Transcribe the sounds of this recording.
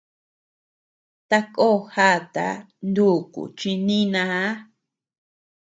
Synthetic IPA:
t̪a˧ko˦˨˧ha˦˨t̪a̰˨˦ | nd̪u˦˨kṵ˨t͡ʃi˧nĩ˦nã˧a˦

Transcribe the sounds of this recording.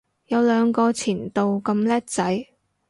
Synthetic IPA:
jɐ˨˧wlœː˨˧ŋkɔː˧t͡sʰiː˨˩nt̪o˨˧wkɐ˧mlɛː˥t̚t͡sɐ˨˥j

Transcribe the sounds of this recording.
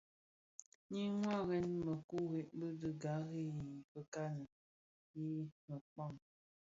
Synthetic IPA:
ɲi˦ŋwa˦ɣɛ˦nmə˨ku˦ɣe˨ʔbə˦də˨ɡa˨˦ɣe˦ji˨pə˨ka˦nə˨ | ji˦mə˨k͡pa˦˨ŋ

